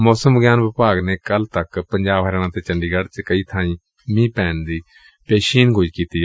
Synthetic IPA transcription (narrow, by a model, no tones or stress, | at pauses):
mɔːsəmbəɡjaːnʋɪpaːɡneːkəlt̪ɐkpə̃ɲd͡ʒaːbɦəɾaːɽ̃ãːt̪eːt͡ʃə̃ɳɖiːɡəɽt͡ʃkəiːt̪ʰãːĩː | mĩːpɛːnd̪iː | peːʃiːnɡʱoːiːkiːt̪iː